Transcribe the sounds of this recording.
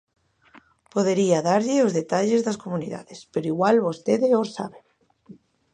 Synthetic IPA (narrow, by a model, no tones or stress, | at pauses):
poðeɾiaðaɾʎeozðet̪aʎezðaskomũniða̰ðespeɾoiɣwalβost̪eðeosa̰βe